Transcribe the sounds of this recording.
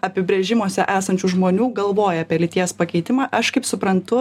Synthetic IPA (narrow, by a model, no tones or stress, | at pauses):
ɐpʲɪbʲɾʲeːʒʲɪmoɔsʲɛʔæːsɐnʲt͡ʃʲuʒmoːnʲuːɡɐlˠʋoːjɛɐːpʲiɛlʲɪt̪ʲiɛspɐkʲɛɪt̪ʲɪmɑːʔɐʃkɐɪpsʊpɾɐnt̪ʊ